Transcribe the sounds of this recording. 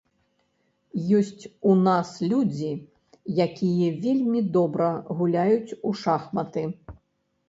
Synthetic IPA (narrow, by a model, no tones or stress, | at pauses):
jɔsʲt͡sʲunaslʲud͡zʲi | jakʲijɛvʲelʲmʲid̪ɔbɾɐɣulʲajut͡sʲuʂaxmɐt̪ɨ